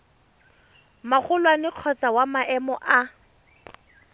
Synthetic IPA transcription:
maχʊlwanɪq͡χʰɔt͡sawamaʔɛmɔʔa

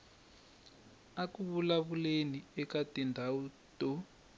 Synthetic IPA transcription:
akuβulaβuleniɛkatindʱawuto

